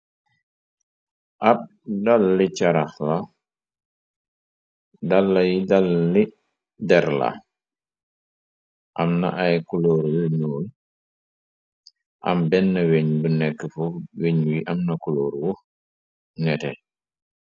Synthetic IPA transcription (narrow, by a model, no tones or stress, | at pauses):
ʔab̚ | dalːit͡ʃaɾaxla | dalːajidalːi | dɛɾla̰ | ʔa̰mna̰ʔajkuloɾwuɲɔːl | ʔa̰mbɛnːɐweɲbənɛkːəfuweɲwiʔamnɐkuloːɾwɔ | nɛtɛ̰